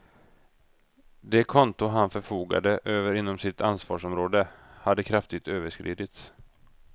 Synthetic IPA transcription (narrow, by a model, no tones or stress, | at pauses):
d̪ɛkʰɔnt̪ʊɦanfœɾfuːɡa̰d̪əʔøːvəɾɪnːɔmsɪt̪ʰansvɑ̰ːʂɔmɾoːd̪əhad̪ːəkʰɾaft̪ɪɡ̚t̪øːvəʂkɾḭːd̪ɪt̪s